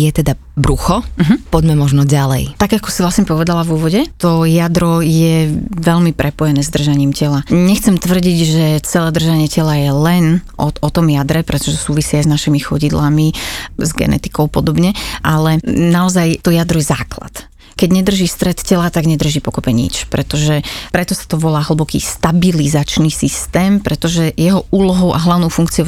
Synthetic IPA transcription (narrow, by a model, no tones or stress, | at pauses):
jɛt̪ɛd̪a | bɾuxɔm̩ɦ̩pɔɟmɛmɔʒnɔɟalɛ̰jt̪aɡakɔsiʋlasɲɛpɔʋɛd̪alavuʋɔɟɛt̪ɔjad̪ɾɔjɛʋɛʎmipɾʔɛpɔjɛnɛːzd̪r̩ʒaɲiːmcɛlaɲɛxt͡sɛmt̪ʋr̩ɟiɟʒɛt͡sɛlɛːd̪r̩ʒaɲɪɛcɛlajɛlɛnʔɔɔt̪ɔmjad̪ɾɛpɾɛt̪ɔ̥ʒɛsuːʋisiajznaʃimixɔɟid̪lamizɡɛ̰nɛ̰t̪i̥kɔʊpɔd̪ɔbɲɛʔalɛnaɔzajt̪ɔjad̪ɾujɛza̰ːkla̰t̪ | kɛɟɲɛd̪r̩ʒist̪ɾɛt̪cɛlat̪aɡɲɛd̪r̩ʒiːpɔkɔpɛɲḭt͡ʃpɾɛt̪ɔʒɛpɾɛt̪ɔsḁt̪ɔʋɔlaːɦl̩ˠbɔkḭːst̪abilizat͡ʃnisist̪ɛːmpɾɛt̪ɔʒɛjɛɦɔʔuːlɔɦɔʊʔa̰ɦlaʊnɔʊfuŋkt͡siɔ